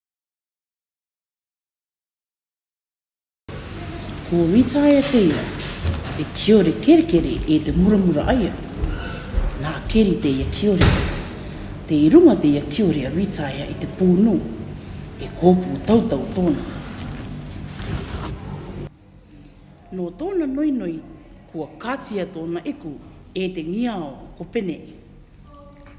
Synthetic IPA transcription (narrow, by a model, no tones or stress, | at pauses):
kowitaeatejɾa̰ | ekʰioɾeke̞ɾeke̞ɾḛʔete̞muɾamuɾa̰ʔaja | nake̞ɾitejakʰio̞ɾea | tejɾuŋate̞jakʰio̞ɾeaɾitaeaʔite̞puːnuː | ekʰoːpuːtawtawtoːna | noːtoːnanojno̞j | kuɐkaːt͡siɐtoːnaʔeku | ete̞ŋiaokopeneʔi